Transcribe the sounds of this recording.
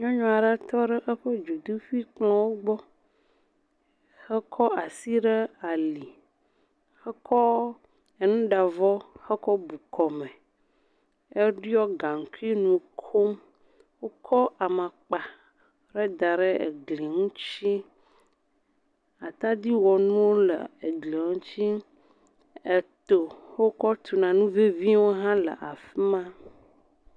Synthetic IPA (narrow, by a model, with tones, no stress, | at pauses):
ɲɔ̃˦ɲɔ̃˨a˨ɖɛ˦t̪ɔ˦ɖɛ˦ʔɛ˦ɸɛ˦d͡ʒu˨d̪u˦fi˦k͡plɔ̃˦wo˦ɡ͡bɔ˦ | xɛ˦kʰɔ˦a˨si˦ɖe˦a˨li˨ | xɛ˦kʰɔ˦ | e˨nũ˦ɖa˨vɔ˦xɛ˦kɔ˦bu˨kʰɔ˨mɛ̃˨ | e˦ɖi˦ɔ˦ɡa˨ŋ̩˨ku˦i˦nũ˨kʰo˦m | wo˦kʰɔ˦ʔa˨mã˨k͡pa˨ | ɾɛ˦d̪a˨ɾe˦ḛ˨ɡli˨ŋũ˦t͡ɕi˦ | a˨t̪a˦d̪i˦wɔ˨nũ˦wo˦lə̰˨e˨ɡli˨ũ˦t͡ɕi˦ | e˨t̪o˨wo˦kɔ˦t̪u˨nã˨nũ˦ve˦vi˦wo˦ɦã˦lə̰˨ʔa˨fi˦mã˦